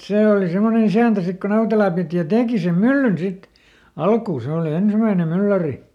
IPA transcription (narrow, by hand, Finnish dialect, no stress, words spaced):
seˑ oli semːonen isæˑntæ sik ko nɑutelɑˑ piˑti jɑ teːki sem mylːyn sit ɑlkuː se oˑli ensimæinem mylːæri